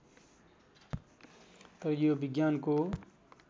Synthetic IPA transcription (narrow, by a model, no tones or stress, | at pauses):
t̪ʌɾjobiɡjanko